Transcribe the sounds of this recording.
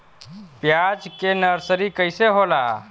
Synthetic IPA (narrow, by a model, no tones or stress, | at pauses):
pjad͡ʒkenəɾsəɾikəjseɦola